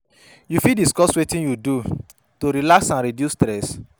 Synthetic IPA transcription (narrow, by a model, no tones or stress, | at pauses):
jufidiskɔswetĩnjudu | toɾilaksãnɾidjustɾɛs